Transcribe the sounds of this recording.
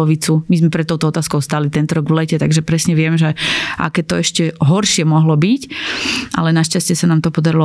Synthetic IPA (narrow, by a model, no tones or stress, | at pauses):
ɔʋit͡sumizmɛpɾɛt̪ːɔʊt̪ɔɔt̪aːskɔʊst̪aːlit̪ɛnt̪ɔɾɔɡʋlɛcɛt̪aɡʒɛpɾɛsɲɛʋɪɛmʒɛʔa̰kɛːt̪ɔɛʃcɛɦɔɾʃɪɛmɔɦlɔbicʔa̰lɛnaʃcascɪɛsanaːmt̪ɔpɔd̪aɾilɔ